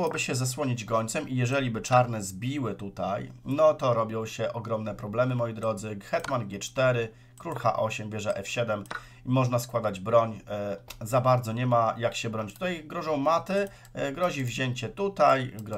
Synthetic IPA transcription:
wɔbɘɕɛzaswɔɲid͡ʑɡɔɲt̪sɛmʔijɛʐɛlʲibɘt͡ʂaɾnɛzbʲiwɘt̪ut̪ajnɔt̪ɔɾɔbʲjɔ̃w̃ɕɛʔɔɡɾɔmnɛpɾɔblɛmɘmɔjid̪ɾɔd̪zɘxɛt̪manɡʲɛt͡ʂt̪ɛɾɘ | kɾulxa̰ʔɔɕɛmbʲjɛʐɛʔɛfɕɛd̪ɛm | imɔʐnaskwad̪ad͡ʑbɾɔɲ | zabaɾd̪zɔɲɛmajakɕɛbɾɔɲt͡ɕt̪ut̪ajɡɾɔʐɔ̃w̃mat̪ɘ | ɡɾɔʑivʑeɲt͡ɕɛt̪ut̪ajɡɾɔ

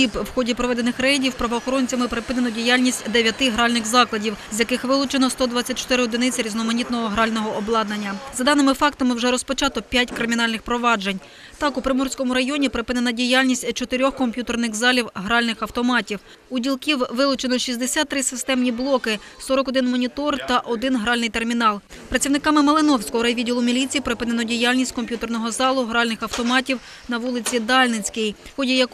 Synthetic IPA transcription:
ipwxɔdʲipɾɔʋɛd̪enɪxɾɛjdʲiwpɾɐʋɔːxɔɾɔnʲt͡sʲɐmɪpɾɪpɪnenɔdʲijalʲnʲisʲtʲd̪eʋʲjɐt̪ɪɦɾɑlʲnɪxzɑklˠɐdʲiwzʲjɐkɪxʋɪlˠʊt͡ʃenɔst̪ɔd̪ʋɑt͡sʲːɐt̚ʲt͡ʃɔ̥t̪ɪɾɪɔd̪ɪnɪt͡sʲɐɾʲiznɔmɐnʲit̪nɔɦɔɦɾɑlʲnɔɦɔʔɔblˠɑd̪nɐnʲːɐzɐd̪ɑnɪmɪfɑkt̪ɐmɪwʒɛɾɔspɔt͡ʃɑt̪ɔpʲjatʲkɾɪmʲin̪ɑlʲnɪxpɾɔʋɑd͡ʒe̞nʲ | t̪ɑkupɾɪmɔrsʲkɔmʊɾɐjɔnʲipɾɪpɪnenɐdʲijalʲnʲisʲtʲt͡ʃɔt̪ɪɾʲɔxkɔmʲpʲjut̪ernɪxzɑlʲiwɦɾɑlʲnɪxɐwt̪ɔmɑtʲiw | udʲilˠkʲiwʋɪlˠʊt͡ʃenɔʃizʲd̪esʲat̪ːɾɪsɪst̪ɛmnʲiblˠɔkɪsɔɾɔkɔd̪ɪnmɔnʲit̪ɔrt̪ɐʔɔd̪ɪnɦɾɑlʲnɪjt̪e̞rmʲinɑlˠ | pɾɐt̪t͡sʲiwnɪkɑmɪmɐlˠɪnɔwsʲkɔɦɔɾɐjʋʲidʲilˠʊmʲilʲit͡sʲijpɾɪpɪnenɔdʲijalʲnʲisʲtʲkɔmpʲjut̪ernɔɦɔzɑlˠʊɦɾɑlʲnɪxɐwt̪ɔmɑtʲiw | nɐʋulˠɪt͡sʲid̪ɑlʲnɪt͡sʲkɪjxɔdʲijɐk

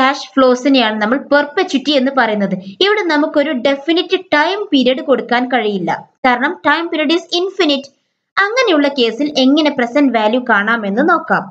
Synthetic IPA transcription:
kaːʂfɭo̞ːsinejaːɳɨnɐmːɐɭpɐrpɐt͡ɕːutːie̞nːɨpɐrɐjun̪ːɐðɨiʋiɽe̞nɐmukːo̞ɾuɖe̞finitːɨʈɐjmpiːɾijɐɽɨko̞ɽukːaːnkɐɻijilːɐ̰kaːɾɐɳɐmʈɐjmpiɾiɐɽɖisinfinitːɨ̥ | ɐŋːɐne̞juɭːɐke̞ːsile̞ŋːɐne̞prɐsɐnʋaːljukaːɳaːme̞nːɨno̞ːkːaːm

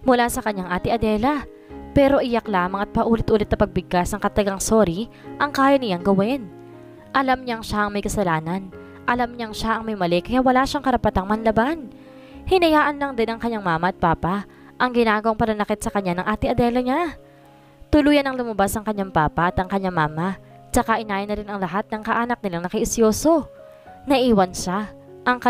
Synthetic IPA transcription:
mʊlasɐkɐɲːaŋʔaːt̪ɪɐd̪ɛlɐ | pɛɾo̞ʔɪjaklaːmɐŋɐt̪̚pɐʔuːlɪt̪ʔuːlɪt̪nɐpɐɡ̚bɪɡ̚asnɐŋkɐt̪ɐɐɡaŋsoɾi | ʔɐŋkaːjɐnɪlaŋɡɐwɛn | ʔɐlamɲaŋʃaʔɐŋmɐjkɐsɐlaːnɐn | ʔɐlamɲaŋʃaʔɐŋmɐjmɐlɛkɐjaʔwɐlaʃaŋkɐɾɐpɐt̪aŋmɐnlɐban | hɪnɐjaːʔɐnlɐŋd̪ɪnɐŋkɐɲːaŋmaːmɐʔɐt̪̚paːpa | ʔɐŋɡɪnaːɡɐwaŋpɐnɐnɐkɪt̪̚sɐkɐɲːanɐŋʔaːt̪ɪŋʔɐd̪ɛːlɐɲa | t̪ʊluːjɐnɐŋlʊmɐbasɐŋkɐɲːaŋpaːpɐʔɐt̪ɐŋkɐɲːaŋmaːma | t͡ʃɐkaʔɪnaːjɪnɐɾɪnɐŋlɐɦat̪̚nɐŋkɐʔaːnɐk̚nɪlaŋnɐkɪʔɪsjoːso̞ | nɐʔiːwɐnʃa | ʔɐŋkɐ

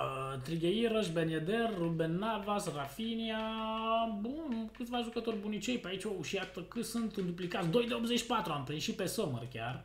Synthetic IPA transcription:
ət̪ɾiɡʲeiɾəʃbenied̪erːubenːavasrafinia | bunkɨt̪sʲvaʒukət̪o̞rʲbunit͡ʃe̞jpeait͡ʃouʃijat̪əkɨsunt̪ɨnd̪uplikat̪sd̪o̞jd̪eobzet͡ʃʲːi̥pat̪ɾuampeniʃipe̞somə̰rkʲa̰r

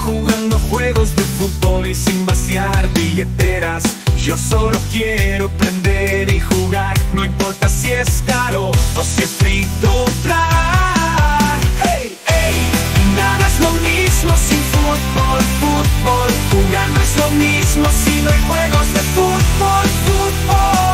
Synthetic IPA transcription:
xuɣand̪oxweɣozðefut̪̚βolisĩmbasjaɾβiʎet̪eɾas | ʒosolokjeɾopɾend̪eɾixuɣaɾnõimpoɾt̪asieskaɾoosempɾit̪ot̪ɾa | ɾe | enanezlomizmosĩnfut̪̚βolfut̪̚βolxuɣaɾnezlomizmosinoajxweɣozðefut̪̚βolfut̪̚βo

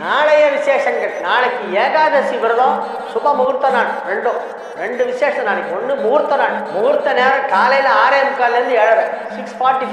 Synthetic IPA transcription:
naːɭɐjɐʋɪseːʂɐŋɡɐɭnaːnɐkːɯeːɣaːðɐsiʋɐɾɐðõː | sʊbɐmʊɣʊɾt̪ːɐnaːʈɾɛɳɖõ | ɾɛɳɖɯʋɪseːʂɐnaːnɐkːɯɔnːɯmʊɣʊɾt̪ːɐnaːʈmʊɣʊɾt̪ːɐneːɾɐ̃kaːlɐjɪlɐaːɾɐjɐmɯkːaːllɐɾɯnd̪ɯɛɻɐɾɐ̃sɪksfaːɾʈːif

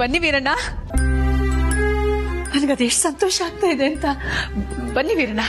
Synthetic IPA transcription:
bɐnːiʋiːɾɐɳːa | nɐnɐɡeɐd̪eʂʈsɐnt̪oːʃɐaːɡ̚t̪aːjid̪eɐnt̪ɐ | bɐnːiʋiːɾɐɳɐ

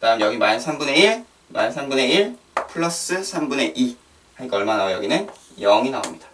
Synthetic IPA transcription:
kɯdaɯmɯjʌɡimanɯnsʰambune̞iɭ | ma̰nɯnsʰambune̞iɭ | pʰɯɭːʌs͈ɯsʰambune̞ʔi | haɲik͈aʌɭmanaɡojʌɡinɯn | jʌŋinao̰mɲid̥ḁ

